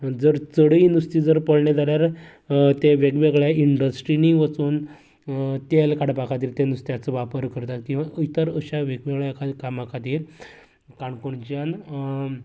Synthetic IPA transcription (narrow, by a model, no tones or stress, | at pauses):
d͡zəɾt͡səɽijnust̪iːd͡zəɾpəɽɳjad͡z̪aɾjaɾ | t̪eʋeɡʋeɡɭjaiɳɖəsʈɾiniʋət͡suːn | t̪elkaɽpakʰat̪iːɾt̪enust̪jat͡səʋapəɾkəɾt̪at̪kĩw̃ʋaʔəjt̪əɾəɕaʋeɡʋeɡɭjakakamakʰat̪iːɾ | kaɳkoɳt͡ɕjan